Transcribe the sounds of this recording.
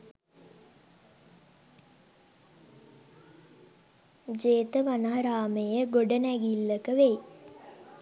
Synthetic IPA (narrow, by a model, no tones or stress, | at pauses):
d͡ʒeːt̪əʋanaɾaːmejəɡoɖənæɡilːəkəʋej